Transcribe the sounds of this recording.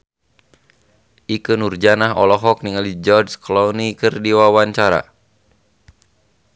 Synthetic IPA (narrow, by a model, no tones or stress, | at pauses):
ʔikənurd͡ʒanahɔ̰lɔɦɔk̚niŋalid͡ʒɔrd͡ʒklɔnikɨrdiwawaɲt͡ʃaɾa̰